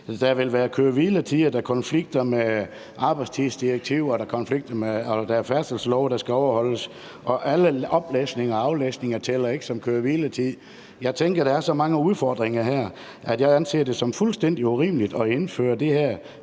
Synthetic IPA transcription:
d̥æʋe̝lʋæːɐkʰøɐʋiːlət͡sʰiðˠd̥ækʰɒ̽nfliɡ̥̚d̥ɐme | ʔɑ̈ːb̥ɑ̈ɪdst͡sʰiðˠsd̥iʁeɡ̥̚t͡sʰiʊ̰ɒd̥ækʰɒ̽nfliɡ̥̚d̥ɐmeɒd̥æɐfæɐ̥d̥əlsəlɒʊd̥æsɡ̥æɒʊɐhɒ̽l̰əs | ʔɒ̽ʔæləɒ̽b̥lḛsne̝ŋɐɑ̈ʊlḛːsne̝ŋɐt͡sʰelɐe̝ɡ̥ə̥sɒ̽mkʰøːɐʋiːlət͡sʰið̰ˠ | jɑ̈ɪt͡sʰeŋɡ̥ɐɾ̥ææɐsɒ̽mɑ̈ŋəuðˠfɒːd̥ʁeŋɐɦæɐ̰ | ʔæd̥jɑ̈ɪænse̝̰ːɐd̥e̝sɒ̽mfulsd̥en̰d̥iuʁḭːmlid̥ɒe̝nfø̰ːɐd̥e̝hæɐ̰

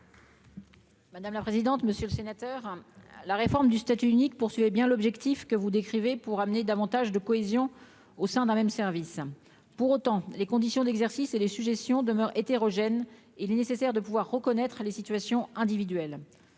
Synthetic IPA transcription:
mad̪amlapχezid̪ɑ̃t̪məsjøləsenat̪œʁlaʁefɔʁmd̪yst̪at̪yynik̚puʁsɥivɛbjɛ̃lɔbʒɛkt̪ifkəvud̪ekχivepuʁamned̪avɑ̃t̪aʒd̪əkɔezjɔ̃ | osɛ̃d̪ɛ̃mɛmsɛʁvis | puʁot̪ɑ̃lekɔ̃d̪isjɔ̃d̪ɛɡzɛʁsiselesyʒest̪jɔ̃d̪əmœʁet̪eʁɔʒɛn | eilɛnesesɛʁd̪əpuvwaʁːəkɔnɛt̪χəlesit̪ɥasjɔ̃ɛ̃d̪ivid̪ɥɛl

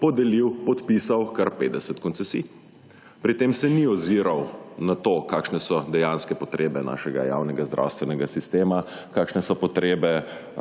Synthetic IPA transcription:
pɔd̪ɛliwpɔt̪piːsawkaɾpeːd̪ɛsɛt̪kɔnt̪sɛsḭː | pɾit̪eːmsɛniɔziːɾawnat̪oːkaːkʃnɛsɔd̪ɛjaːnskɛpɔt̪ɾʔeːbɛna̰ːʃɛɡa̰ja̰wnɛɡazd̪ɾʔa̰wst̪ʋɛnɛɡasist̪eːmakaːkʃnɛsɔpɔt̪ɾeːbɛ

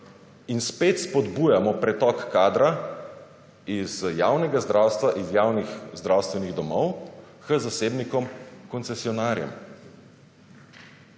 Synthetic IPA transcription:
inspeːt̪spɔd̪bujamɔpɾɛt̪ɔkːaːd̪ɾa | izja̰ːwnɛɡazd̪ɾaːwst̪ʋaʔizjaːwnixzd̪ɾawst̪ʋɛniɣd̪ɔmɔw | xəzaseːbnikɔmkɔnt̪sɛsiɔnaːɾjɛ̰m

